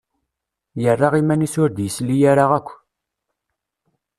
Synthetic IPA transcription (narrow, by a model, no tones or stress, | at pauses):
jərˤːaʁimænisʊɾd̪jəslijaɾaʁækʷː